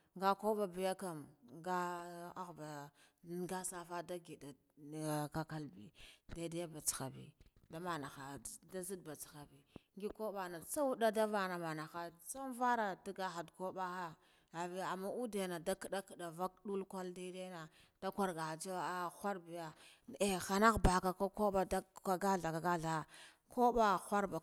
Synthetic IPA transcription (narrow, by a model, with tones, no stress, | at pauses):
ŋɡa˦ko˦ɓa˨bi˨ja˦ka˨mɡa˦a˦ɣba˨ | ɡa˦sa˦fa˦da˦ɡi˨da˨ | ka˦ka˦lbḭ˨da˦da˦ja˦ba˨t͡si̥˨xa˨bḭ˨da˦ma˨na˨xa˨da˦zi˦dba˨t͡si̥˨xa˨bi˨ŋɡi˦ko˦ba˨na˨t͡sa˦wu˦da˦da˦va˦na˨ma˨na˨xa˨t͡sa˦n˦va˦ɾa˨da˦ɡa˦xa˨dko˦ɓa˦a˦ | a˨vi˦a˨mːa˦u˦de˨na˨da˦ki˨da˦kə˨ɗa˨va˦k̚ɗu˦lkʷa˦lda˦de˦na˨ | d̥a˦kʷa˦ɾɡa˨a˨d͡ʒa˦wa˨a˦xʷa˦ɾbi˨ja˦ | e˨xa˨na˦ɣba˨ka˨ka˦ko˦ɓa˦da˦ka˦ɡa˦ɬa˨ka˨ɡa˦ɮa˨a˨ | ko˦ɓa˦xʷa˦ɾba˨